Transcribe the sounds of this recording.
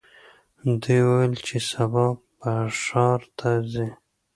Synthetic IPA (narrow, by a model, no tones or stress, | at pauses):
d̪ujwawelt͡ʃesabɑ | paʂɑɾt̪ʰazi